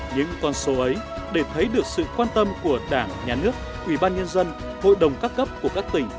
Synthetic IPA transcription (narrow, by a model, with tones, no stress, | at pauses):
ɲɨ̰˧˥ŋkɔ˧nso˨˦ʔə˨˦j | ɗe˧˩t̪ʰə˨˦jɗɨ˨˩ək̚sɨ̰˧˨kwaː˧nt̪ə˧mku˧˩əɗaː˧˩ŋɲaː˨˩nɨ˦˥ək̚ | ʔwi˧˩ɓaː˧nɲə˧nzə˧n | ho̰˧˨jɗə˨˩wŋ͡mkaː˦˥kːə˦˥p̚ku˧˩əkaː˦˥k̚t̪ï˧˩ŋ̟